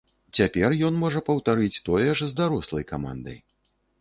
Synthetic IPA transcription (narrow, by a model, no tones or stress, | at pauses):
t͡sʲapʲɛrjɔnmɔʐɐpɐwt̪aɾɨt͡sʲt̪ɔjɛʐzd̪aɾɔslˠɐjkama̰nd̪ɐ̰j